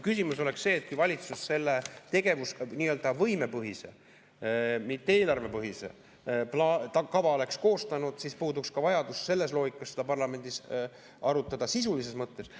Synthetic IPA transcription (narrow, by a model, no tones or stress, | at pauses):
kysimuso̞le̞ksse̞ːt̪̚kujvɑlʲit̪susse̞lːet̪e̞ɡ̥e̞vusniːø̞ld̪ɑvɤjme̞pɤɦise̞̰ | mit̪ːˑeeːlɑrve̞pɤɦise̞̰ | plɑt̪ɑkɑvɑo̞le̞ksko̞ːst̪ɑnud̪̥sispuːd̪ukskɑvɑjɑd̪usse̞lːe̞s̬lo̞ːɡikːˑɑsed̪̥ɑpɑrlɑme̞nd̪̥is | ʔɑɾut̪ːˑɑd̪̥ɑsisulis̬e̞smɤt̪ːe̞s